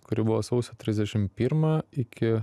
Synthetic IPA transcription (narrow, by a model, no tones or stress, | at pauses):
kʊɾʲɪbʊʋoːsɐʊsʲot̪ʲɾʲɪzʲd̪ʲɛʃʲɪmpʲiːɾmɑɪkʲɪ